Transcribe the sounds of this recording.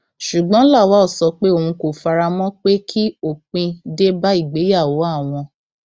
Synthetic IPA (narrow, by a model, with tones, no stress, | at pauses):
ʃu˨ɡ͡bɔ̃˨˦la˦˨wa˨˦ɔ˦˨sɔ˨˧˦k͡pe˦o˦˨ũ˧ko˨fa˧ɾa˧mɔ̃˦k͡pe˦kʰi˦o˦˨k͡pĩ˧de˦ba˦i˦˨ɡ͡be˨˦ja˦˨wo˨˦a˦˨w̃ɔ̃˧